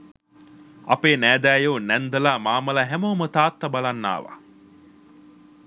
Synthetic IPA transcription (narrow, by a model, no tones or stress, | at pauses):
ɐ̰peːnæːd̪æːjoːnɛnd̪ɐlaːmaːmɐlaɦæmomət̪aːt̪ːɐbalanːa̰ːʋa̰